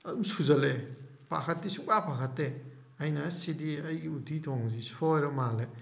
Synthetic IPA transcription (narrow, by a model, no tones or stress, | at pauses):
ɐdumsuzɐle | pa̰kʰɐtːisukapʰakʰɐtːe | ɐjnɐsidiɐjɡiutʰitʰoŋzisojɾɐmale